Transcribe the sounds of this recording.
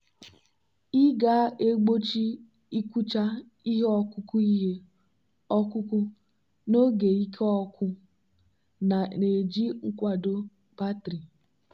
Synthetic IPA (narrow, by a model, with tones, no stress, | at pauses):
i˦ɡa˦e˦ɡ͡bo˦t͡ʃi˦ | i˦kʷu˦t͡ʃa˦ | i˦ɦe˦ɔ˦kʊ˦ku˦i˦ɦe˦ | ɔ˦kʊ˦ku˦ | no˦ɡe˨i˦kʰe˦ɔ˦kʰʷʊ˦ | na˨ne˨d͡ʒi˦ŋ̩˦kʷa˨do˦ | pa˦tɾi˨